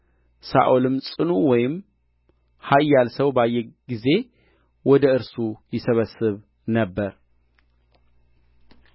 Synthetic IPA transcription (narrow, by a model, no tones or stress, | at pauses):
sa̰ʔulɨmsʼɨnuwɔjɪm | hajːalsəwbajːɛɡize̞ | wɔd̪əɨɾsujɪsəβəsɨβ | nəbːəɾ